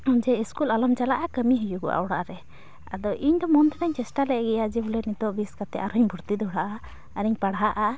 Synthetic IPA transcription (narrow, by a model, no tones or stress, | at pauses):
ɔd͡ʒɛiskulalamt͡ʃalaʔakəmiɦijuɡɔ̰ʔa̰wɽaʔɾɛ | a̰d̪ɔʔiɲd̪ɔmɔnd̪ɛnaɲt͡ʃɛsʈalɛʔɡɛjad͡ʒɛbulɛnit̪ɔʔbiskat̪ɛʔaɾɔɲbʱuɾt̪id̪ɔɦɔɽaʔa | əɾiɲpaɽɦaʔa